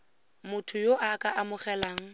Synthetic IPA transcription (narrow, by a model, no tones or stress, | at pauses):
mʊtʰʊjoʔakʼaʔamʊχɛlaːŋ̩